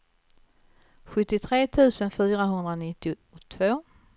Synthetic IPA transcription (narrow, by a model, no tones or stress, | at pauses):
ɧɵt̪ːɪt̪ʰɾeːt̪ʰʉ̟ːsənfyːɾaɦɵnd̪ɾanɪt̪ːɪʊ | t̪ʰvoː